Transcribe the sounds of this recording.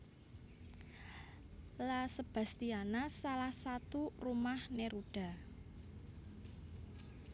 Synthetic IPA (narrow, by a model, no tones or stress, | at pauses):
lasəb̥a̤st̪ianasalahsat̪urumahneɾuɖ̥a̤